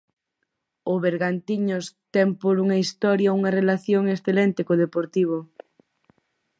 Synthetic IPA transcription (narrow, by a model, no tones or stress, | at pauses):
ʊβeɾɣant̪iɲʊst̪ɛmpoɾuŋɐist̪ɔɾjɐuŋɐrelaθjoŋesθelɛnt̪ekoðepoɾt̪iβ̞o